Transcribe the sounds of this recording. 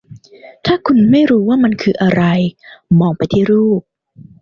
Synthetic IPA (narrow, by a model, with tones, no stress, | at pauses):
t̪ʰaː˥˩kʰu˧nma˥˩jɾuː˦˥waː˥˩ma˧nkʰɯː˧ʔa˧ɾa˧jmɔː˧ŋpa˧jt̪ʰiː˥˩ɾuː˥˩p̚